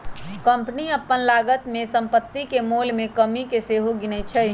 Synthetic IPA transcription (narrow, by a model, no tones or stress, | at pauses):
kə̃mpəniəpːənlaːɡət̪mẽsə̃mpət̪ːikemolmẽkəmikeseːɦoɡɪnɛt͡ʃʰɛ